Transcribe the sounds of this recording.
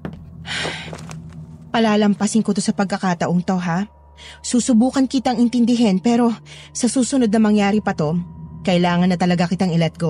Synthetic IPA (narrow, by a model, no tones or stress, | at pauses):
pɐlaːlɐmpɐsɪnkot̪osɐpɐɡ̚kɐkat̪ɐʔoŋt̪o̞ɦa | suːsʊbuːkɐnkɪt̪aŋɪnt̪ɪnd̪ɪɦɛnpɛːɾo̞sɐsuːsʊnod̪nɐmɐŋjaːɾɪpɐt̪o̞kɐʔɪlaːŋɐnːɐt̪ɐlɐɡakɪt̪aɐŋɛlɛt̪̚ɡo